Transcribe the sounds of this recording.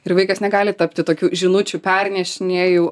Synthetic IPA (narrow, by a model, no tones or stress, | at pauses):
ɪrʋɐɪkɐsnʲɛɡɑːlʲɪt̪ɐpʲt̪ʲɪt̪oːkʲuːʒʲɪnʊt͡ʃʲupʲɛrʲnʲɛʃʲɪnʲeɛjuː